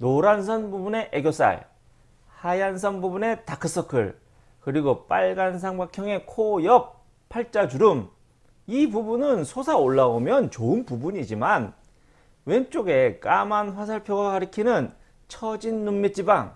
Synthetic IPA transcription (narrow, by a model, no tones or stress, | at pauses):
noɾans̬ʰʌnbubune̞ʔeɡjos͈a̰ɭ | hajans̬ʰʌnbubune̞takʰɯs͈ʰʌkʰɯ̰ɭ | kɯɾiɡop͈aɭɡans̬ʰaŋbakʰjʌŋe̞kʰojʌp̚ | pʰːaɭt͡ɕ͈ad͡ʑuɾɯm | ibubunɯnsʰosʰaoɭːaomjʌnt͡ɕoɯnpubuɲid͡ʑiman | went͡ɕ͈oɡe̞k͈amanɸwas̬ʰaɭpʰjoɡaɡaɾɯkʰinɯn | t͡ɕʰʌd͡ʑinːumːit͡ɕ͈ibaŋ